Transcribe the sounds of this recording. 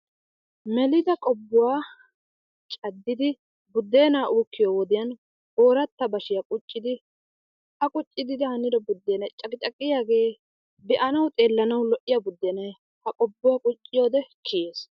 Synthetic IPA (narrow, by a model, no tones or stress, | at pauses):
mɛlɪd̪ɐkʼɔbːʊwaː | t͡ʃʼɐd̪ːɪd̪ɪ | bʊd̪ːe̞ːnaːʔuːkːɪjoːwɔd̪ɪjɐn | ʔo̞ːɾɐt̪ːɐbɐʃɪjakʼʊt͡ʃʼːɪd̪ɪ | hɐkʼʊt͡ʃʼːɪd̪ɪd̪ɪhɐnɪɾɐbʊd̪ːeːnɐjt͡ʃʼɐkɪt͡ʃʼɐkʼːɪjaːɡe̞ː | bɛʔɐnɐwt̪ʼeːlːɐnɐwlɔʔɪjɐbʊd̪ːeːnɐj | hɐkʼɔbːʊwaːkʼʊt͡ʃʼːɪjo̞ːd̪ɛkʰːɪje̞ːs